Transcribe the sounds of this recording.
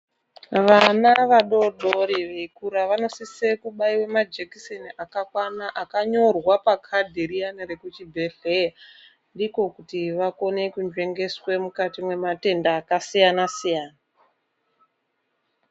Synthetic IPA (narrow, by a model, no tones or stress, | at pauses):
ʋanaʋaɗo̞ɗʱo̞ɾiʋeikuɾaʋano̞sise̞kuɓaiwe̞mad͡ʒekiseniʔakakwanaʔakaɲo̞rwapakʰadʱeɾianɾe̞kut͡ʃibʱe̞ɬeja | ndiko̞kutiʋako̞ne̞kund͡ʒwe̞ŋɡe̞swe̞mukatimwe̞mate̞ndaːkasijanasijaːna